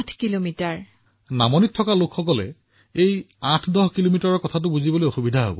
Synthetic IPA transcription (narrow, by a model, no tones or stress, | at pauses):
tʰkilomitaɹ | namɔnitʰːɔkalokxɔkɔlɛ̰ | ej | ãtʰdɔɦkilomitɔɹɔɹkɔtʰat̬ʊbuzibɔlojɔxubidʱaɦo̰bɔ̰